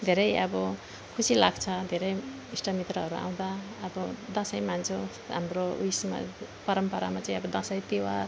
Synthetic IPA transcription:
d̪ʱeɾʌjʌbʌ | kʰusilaɡt͡sʰʌd̪ʱeɾʌj | isʈʌmit̪rʌɦʌɾua̰w̃d̪a | ʌbʌd̪ʌ̃sʌjmand͡zo | ɦa̰mroujsma̰pʌɾʌmpʌɾa̰mat͡saĩʌbʌd̪ʌ̃sʌjt̪ewar

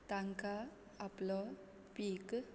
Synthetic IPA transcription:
t̪aŋka | aplɔ | pik

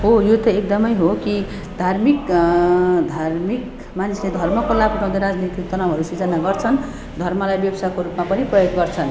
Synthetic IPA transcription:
ɦojot̪ʌek̚d̪ʌmʌjɦoki | d̪ʱarmik | d̪ʱarmik | manisled̪ʱʌrmʌkolabnʰʌ̃d̪eɾad͡znit̪ik̚t̪ʌnʌbɦʌɾusit͡sʌnaɡʌrt͡sʰʌn | d̪ʱʌrmʌlajbjʌbʌsakoɾupmapʌniprʌjoɡɡʌrt͡sʰʌn

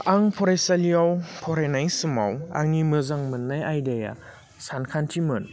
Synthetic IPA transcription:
aŋpʰɔɾesaliawpʰɔɾenajsɯma̰wa̰ŋimɯzaŋmɯnːajajdeja̰ | sankʰantʰimɯn

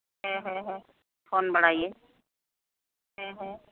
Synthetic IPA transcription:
ɦɛ̃ɦɛ̃ɦɛ̃ | fʰoːnbəɽ̤aːieː | ɦɛ̃ɦɛ̃

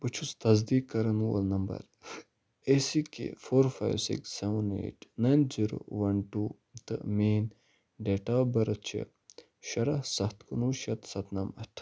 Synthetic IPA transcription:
bɨt͡ʃʰust̪ɐzd̪iːkːɐɾɐnwɐ̰lnɐmbɐ̰ɾ | esikḛfoːɾfa̰jʋsḭksːɛʋɐnḛːʈʰnɐjnziɾo̰wɐnʈuː | t̪ɐ̰ʔmiːn | ɖeːʈaːbɐɾɐt͡ʃʰḭ | ʃɐɾɐhsɐht̪kunuːʃɐt̪sɐt̪ʰnɐmɐʈʰ

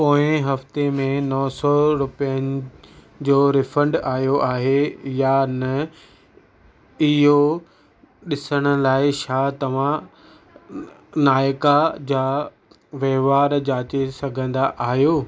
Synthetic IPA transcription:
poːɪ̃ɦɐft̪emẽnɔːsɔɾʊpijənɪ̆ | d͡ʑoːɾɪfə̃ɳɖaːɦjoʔaːɦejanɐ | ɪɦo | ɗɪsəɽ̃ʊ̆laːɪʃaːt̪ɐʋ̤ã | naːjkad͡ʑaː | ʋeːʋaːɾd͡ʑaːt͡ɕesɐɡʱə̃nd̪aʔaːɦijoː

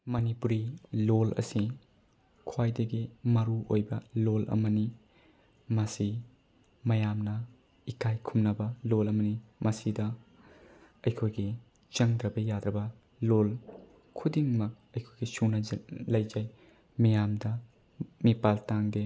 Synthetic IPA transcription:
mɐnipuɾilolɐ̰si | kʰwajdɐɡimɐɾuʔojbɐlolʔɐ̰mɐni | mɐsi | mɐjamnɐ | ikʰajkʰumnɐbɐlolɐmɐnimɐsidɐ | ɐjkʰojɡi | t͡ʃɐŋdɾɐbɐjad̪ɾɐbɐ | lol | kʰudiŋmɐk̚ɐjkʰojɡisunɐlɐjd͡ʒaj | mijamdɐ | mipaltaŋde

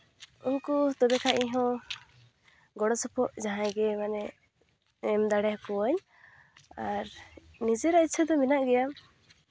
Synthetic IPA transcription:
unkut̪ɔbɛkaʔiɲɦɔ̃ | ɡɔɽɔsɔpʰɔʔd͡ʒaɦãɡɛmanɛ | ɛmd̪aɽɛhɔkɔwaɲ | aɾ | nid͡ʒɛɾait̪̚t͡ʃʰad̪ɔminaʔɡɛja

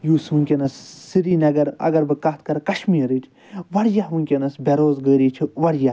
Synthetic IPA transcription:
juːsuŋkʲɐnɐsːiɾiːnɐɡɐɾɐ̰ɡɐɾbɨkɐt̪kɐɾkɐʃmiːɾɨʈʰʲ | ʋɐɽjaɦʋuŋkʲenɐsbʲeɾoːzɡəːɾiːt͡ʃʰiʋɐɽja

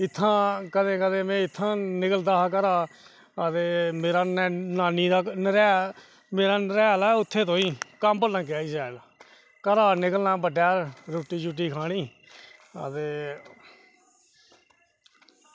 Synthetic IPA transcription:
ɪt̪ʰːãːkəd̪ẽːkəd̪ẽːmẽːɪt̪ʰːãːnɪkəld̪aːk̬əɾaː | ət̪eːmeːɾaːnːnaːniːd̪aːnəɾɛː | meːɾaːnəɾɛːlaːʊt̪ʰːeːt̪õːĩːkəmbəlːə̃ŋkaːiːsɛːla | kəɾaːnɪkəlnaːbəɖjaːɾoːʈiːt͡ʃʊʈ̬ːiːkʰaːɽ̃iː | ə̰t̪eː

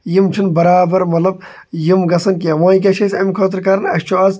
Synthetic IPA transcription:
jimt͡ʃʰinbɐɾaːbɐɾmɐt̪lɐb̚ | jimɡɐsɐnk̬ʲeɐʋãːjk̬ʲɐʃʰɐsʲɐmikʰoːt̪̬ɾkɐɾɐnɐʃt͡ʃʰoɐz

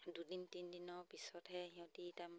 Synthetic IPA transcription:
dudintindinɔɹpisɔtɦɛɦĩɔ̃titam

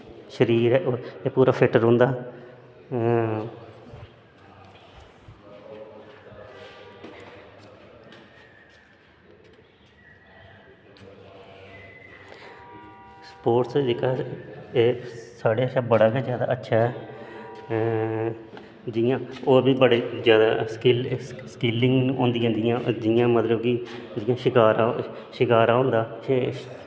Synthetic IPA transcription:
ʃəɾiːɾɛːʔoːeːpuːɾaːfʰɪʈəɾʊ̃ːnd̪aː | spoːʈsɪkaeːsaːɽeːəʃaːbəɽaːked͡ʒjaːd̪a̰ːətːʃʰaːɦɛː | d͡ʒɪjãːoːbiːbəɽeːd͡ʒjaːd̪aːskɪlskɪlːɪŋɡõːnd̪ijãːnd̪ɪãːd͡ʒɪjãːmət̪ləbki | d͡ʒɪjãːʃɪkaːɾa | ʃɪkaːɾãːɦõːnd̪aːe

